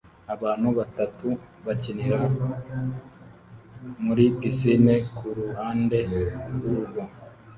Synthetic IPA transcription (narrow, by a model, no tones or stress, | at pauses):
aβaːnhuβatatu | βaciniɾa | muɾipisinekuɾuɦaːnde̞uɡwo